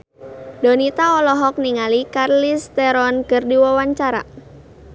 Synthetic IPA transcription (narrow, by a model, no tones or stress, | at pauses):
donit̪aɔlɔɦɔk̚niŋalikarlist̪ɛɾɔnkərdiwawaɲt͡ʃaɾa̰